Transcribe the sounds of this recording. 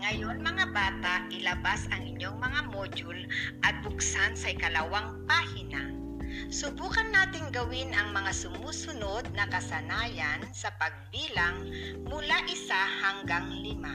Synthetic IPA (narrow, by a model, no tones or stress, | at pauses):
ŋɐjonmɐŋabaːt̪aʔʔɪlɐbasɐŋɪɲjoŋmɐŋamoːd͡ʒʊlʔɐt̪̚bʊksansɐɪkɐlawaŋpahɪna | sʊbuːkɐnːaːt̪ɪŋɡɐwɪnɐŋmɐŋasʊmuːsʊnod̪̚nɐkɐsɐnaːjansɐpɐɡ̚biːlaŋmʊlaʔɪsahaŋɡaŋlɪma